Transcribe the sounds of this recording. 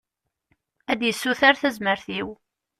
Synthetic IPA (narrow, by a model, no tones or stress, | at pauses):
æd̪jəsːuθaɾθæzməɾθiw